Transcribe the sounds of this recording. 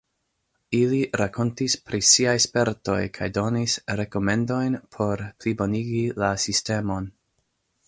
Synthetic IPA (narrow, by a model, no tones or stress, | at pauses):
iliɾakʰo̞ntispɾisiajspe̞ɾto̞̰jkʰajdo̞nisɾe̞ko̞me̞ndo̞jnpʰo̞ɾplibo̞niɡilasiste̞mo̞n